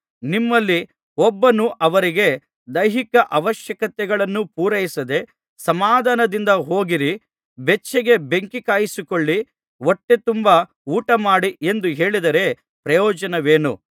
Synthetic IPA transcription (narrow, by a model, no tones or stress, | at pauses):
nimːɐlːi | ɔbːɐnuʔɐʋɐɾiɡe̞ | d̪ɐjɦikɐʔɐʋɐʃjɐkɐt̪ɛɡɐɭɐnːupuːɾɐjisɐd̪e̞ | sɐmaːd̪aːnɐd̪ind̪ɐɦoːɡiɾi | bet͡ʃʰːɛɡe̞beŋkikaːjisikoɭːi | woʈːe̞t̪umbɐ | uːʈɐmaːɽie̞nd̪uɦe̞ːɭid̪ɐɾe̞ | pɾɐjɔːd͡ʒɐnɐʋe̞ːnu